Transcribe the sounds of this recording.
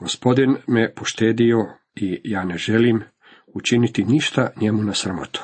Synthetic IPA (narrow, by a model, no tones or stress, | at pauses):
ɡ̥o̞spo̞d̪inmepoʃt̪eːd̪io̞ | ijaːne̞ʒe̞lim | ut͡ʃinit̪iniʃt̪aɲemunasɾamo̞̰t̪u̥